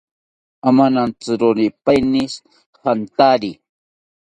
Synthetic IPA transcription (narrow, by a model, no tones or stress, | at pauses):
amanant͡sɨɾonipajnis | hant̪aɾi